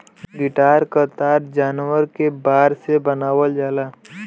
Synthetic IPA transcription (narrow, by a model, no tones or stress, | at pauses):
ɡɪʈaːɾkəɾt̪aːɾd͡ʒaːnwəɾkebaːɾsebənaːwəld͡ʒaːlaː